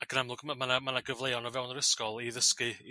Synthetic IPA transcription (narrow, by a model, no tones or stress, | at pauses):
aɡ̥ənamlˠʊɡmamanamanaɡəvlˠejɔnɔvɛwnəɾɪskɔlˠiðəskɨ